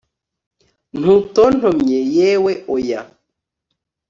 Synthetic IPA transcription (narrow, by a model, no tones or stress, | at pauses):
n̥uton̥omɲejeweoja